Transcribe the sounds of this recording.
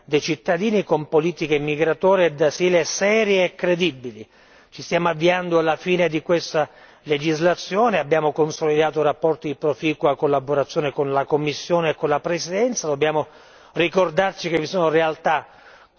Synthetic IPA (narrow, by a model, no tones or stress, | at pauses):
d̪ejt͡ʃit̪ːad̪iːnikompoliːt̪ikemiɡɾat̪ɔːɾjed̪asiːlesɛːɾjeːkːɾed̪ibːili | t͡ʃist̪jaːmoavːiand̪oalːafiːned̪ikwest̪a | led͡ʒizlat̪sːjoːneabːjaːmokonsolid̪aːt̪orapːɔrt̪id̪ipɾofiːkuakːolːaboɾat̪sːjoːnekonlakomːisːjoːneːkːonlapɾesid̪ɛnt̪sad̪obːjaːmo | rikord̪art͡ʃikevːisoːnorealt̪a